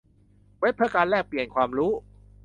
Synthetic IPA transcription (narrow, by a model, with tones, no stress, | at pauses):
we˦˥pʰɯ˥˩kaː˧nlɛː˥˩k̚pli˨˩ənkʰwaː˧mɾuː˦˥